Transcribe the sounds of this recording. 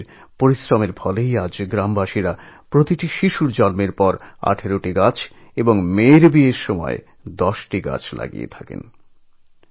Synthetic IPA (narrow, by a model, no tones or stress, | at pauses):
ɾpoɾisɾɔmeɾfʰɔlejad͡ʑɡɾambaʃiɾapɾot̪iʈiʃiʃuɾd͡ʑɔlmeɾpɔɾa̰ʈʰeɾoʈiɡat͡ɕʰ | eboŋmeɾbieɾʃɔmɔ̰e | d̪ɔʃʈiɡa̰t͡ɕʰla̰ɡḭjḛt̪ʰakḛn